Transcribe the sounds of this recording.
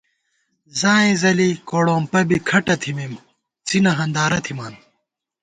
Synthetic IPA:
zãːĩzɐlikoːɽoːmpɐbikʰɐʈɐt̪ʰimim | t͡sinɐɦɐnd̪aːɾɐt̪ʰimaːn

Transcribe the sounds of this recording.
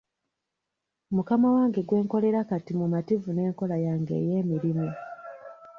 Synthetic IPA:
mukamawaːŋɡe̞ɡwe̞ːŋko̞le̞ɾakatimumativune̞ːŋko̞lajaːŋɡe̞̰ːje̞ːmiɾimu

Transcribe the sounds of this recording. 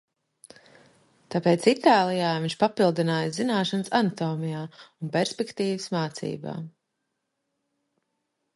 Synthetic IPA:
t̪apeːt̪sit̪aːlˠijaːviɲʲʃpapilˠd̪inaːjzinaːʃansanat̪ɔːmijaːunpɛɾspɛkt̪iːʋəsmaːt̪sḭːba̰ː

